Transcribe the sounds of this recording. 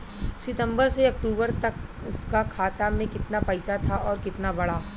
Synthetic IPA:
sɪt̪ə̃mbəɾseɐk̚ʈuːbəɾt̪ɐk̚ | ʊskakʰaːt̪amẽkɪt̪napɐɪsat̪ʰaʔɔːɾkɪt̪nabɐɽaː

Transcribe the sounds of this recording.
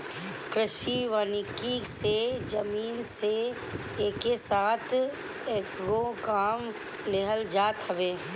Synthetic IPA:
kɾɪʃiʋaːnikised͡ʒəmiːnse | eːkesaːt̪ʰ | eːkɡokaːm | leɦəld͡ʒaːt̪ɦəʋeː

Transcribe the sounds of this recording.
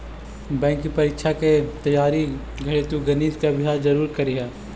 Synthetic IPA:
bɛ̃ːŋkːipɐɾiːkʃʰaket̪ɐjːaːɾi | ɡʱɐɽet̪uɡɐniːt̪keɐbʱɪjɦaːɾzɐɾuːɾkɐɾiɦɛː

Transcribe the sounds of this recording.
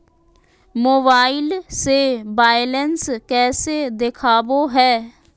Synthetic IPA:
moːbaːɪlseːbaːɪlɛnskɛːseːd̪ɪkʰaːboːɦɛː

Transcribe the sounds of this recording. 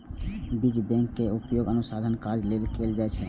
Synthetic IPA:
bid͡ʒbɛ̃ŋkːeupjoɡənusad̪ʱənkaɾd͡ʒlelkeld͡ʒat͡ʃʰɛ

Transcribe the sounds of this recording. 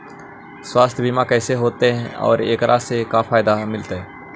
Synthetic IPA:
swaːst̪ʰjbʱimãkɛːseɦoːt̪eɦɛ̃ɔ̰ːɾeːkɾa̰ːsekafʰaːɪd̪amɪlt̪aɦɛː

